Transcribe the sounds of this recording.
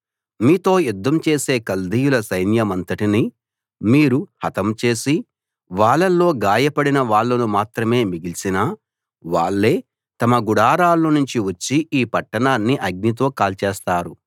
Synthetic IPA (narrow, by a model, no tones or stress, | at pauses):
miːt̪o̞ːjud̪ʱːɐmt͡ʃe̞ːse̞ːkɐld̪ijulɐsɐjnjɐmɐnt̪ɐʈini | miːɾuhɐt̪ɐmt͡ʃe̞ːsi | ʋaːɭːɐlːo̞ːɡaːjɐpɐɽinɐʋaːɭːɐnumaːt̪ɾɐme̞ːmiɡilsinaː | ʋaːɭːe̞ː | t̪ɐmɐɡuɽaːɾaːlːɐnuɲt͡ʃiʋɐt͡ʃːiʔiːpɐʈːɐɳaːnːiʔɐɡ̚nit̪̬o̞ːkaːlt͡ʃeːst̪aːɾu